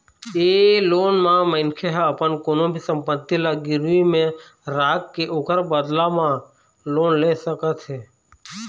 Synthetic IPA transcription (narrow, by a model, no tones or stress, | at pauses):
eːloːnmãːməɪnkʰeɦəpənkonõːbʱisə̃mpət̪ːilaːɡɪɾuimẽ | ɾaːkkːeʔoːkəɾbəd̪lãːmã | loːnleːsəkət̪ɦeː